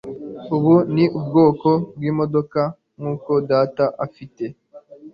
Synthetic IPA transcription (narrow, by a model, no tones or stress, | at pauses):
uβuniʔubɡo̞ːko̞b̚ɡiːmo̞do̞ka | ŋuːko̞daːtaʔafite̞